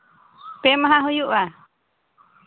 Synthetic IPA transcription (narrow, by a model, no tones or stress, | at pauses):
pɛmaɦaɦujuʔa